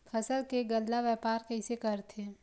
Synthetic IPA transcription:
fʰɐsəlkeɡəllaʋɛːpaːɾkɛːsekɐɾt̪ʰeː

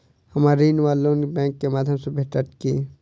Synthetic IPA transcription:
hɐmaːɾiːnʋaːlːonbɛ̃ːkːemaːd̪ʱjəmsebʱeʈəʈki

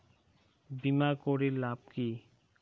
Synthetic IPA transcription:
bimakoɾelab̚ki

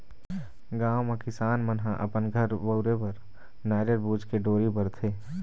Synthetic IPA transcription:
ɡaːwmẽkɪsaːnmənɦaʔə̰pənɡʱəɾbəʊɾepɐɾ | naːɾəɾbuːd͡ʒkeɖoːɾibəɾt̪ʰeː

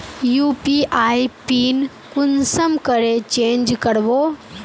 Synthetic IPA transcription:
juːpiʔaːipiːn | kʊnsəmkəɾet͡ʃẽːnd͡ʒkəɽboː

